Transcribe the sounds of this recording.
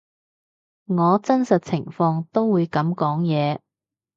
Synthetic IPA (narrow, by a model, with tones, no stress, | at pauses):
ŋɔː˨˧t͡sɐ˥nsɐ˨t̚t͡sʰɪ˨˩ŋfɔː˧ŋt̪o˥wwuː˨˧jkɐ˨˥mkɔː˨˥ŋjɛː˨˧